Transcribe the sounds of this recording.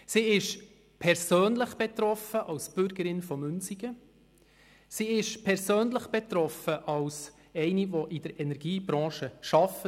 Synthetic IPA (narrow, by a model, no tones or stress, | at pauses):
siːɪʃ | pʰɛɾsøːnləχb̥ɛt̪ɾɔfəʔɑlsb̥ʏɾɡəɾɪnfɔmʉnsiɡ̥ə | siːɪʃpʰɛɾsøːnləχb̥ɛt̪ɾɔfəʔɑls | ɛɪniʋɔʔid̥əɾɛnɛɾɡiːbɾɑ̃ːʃəʃɑfə